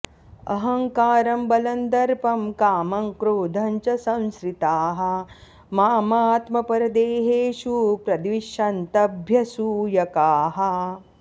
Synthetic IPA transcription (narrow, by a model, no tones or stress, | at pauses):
ɐ̰ɦɐŋkaːɾɐmbɐlɐnd̪ɐɾpɐmkaːmɐŋkɾoːd̪ʱɐɲt͡ʃɐsɐ̃w̃skɾit̪aːɦɐ̆ | maːmaːt̪mɐpɐɾɐd̪eːɦeːʃuːpɾɐd̪ʋiʃɐnt̪ɐbʱjɐsuːjɐkaːɦɐ̆